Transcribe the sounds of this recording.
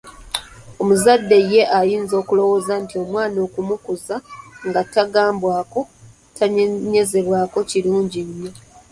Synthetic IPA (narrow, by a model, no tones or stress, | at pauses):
o̞muzadːe̞je̞ʔajiːnzo̞ːkulo̞wo̞zantio̞mwaːno̞ːkumukuzaŋɡataɡaːmbwaːko̞ | tʰaɲɲe̞ze̞βwaːko̞ciluːɲɟiɲːo̞